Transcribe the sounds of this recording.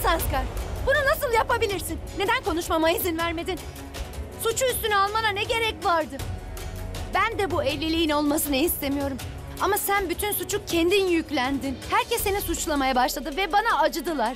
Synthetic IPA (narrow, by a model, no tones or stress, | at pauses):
sanskaɾbununasɯlˠjapabilʲiɾsinːe̞d̪ænko̞nuʃmamaizinvæɾme̞d̪in | sut͡ʃʰuyst̪ynyalˠmalˠanɛɟe̞ɾɛcvaɾd̪ɯ | bænd̪ɛbuelʲːilʲijino̞lˠmasɯnɯist̪ʰe̞mijo̞ɾum | amasænbyt̪ʰynsut͡ʃʰuk̚cʰend̪injyclʲænd̪inhæɾcʰɛsːe̞nisut͡ʃlˠamajabaʃlˠad̪ɯvɛbanaːd͡ʒɯd̪ɯlˠaɾ̥